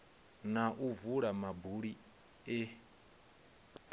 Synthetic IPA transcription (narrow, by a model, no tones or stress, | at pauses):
naʔuvuɺamabuɺi | e